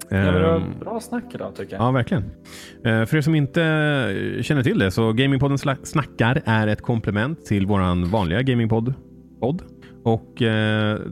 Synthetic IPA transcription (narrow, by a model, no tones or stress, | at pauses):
bɾɑːsnakːɪd̪ɔ̰t̪ʰʏkːəjɑːvæɾklɪɡən | fœɖɛsɔmɪnt̪ə | ɕɛnːəʈʰɪld̪ɛsɔɡɛɪmɪŋpʰɔd̪ənsːnakːaɾæɾɛt̪kʰɔmplɛmɛnt̪ʰːɪlvoːɾanvɑːnlɪɡaɡɛɪmɪŋpʰɔd̪ | pʰɔd̪ː | ɔk